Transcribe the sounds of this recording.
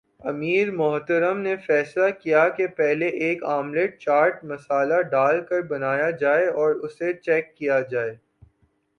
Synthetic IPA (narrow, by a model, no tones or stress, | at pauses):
ɐmiːɾmʊɦt̪əɾəmnefɛːslakijakepɛɦleʔeːkaːmleːʈ̚t͡ʃaːɾʈmɐsaːlaɖaːlkɐɾbɐnaːjad͡ʒaːeɔːɾʊset͡ʃɛːkːijad͡ʒaːeː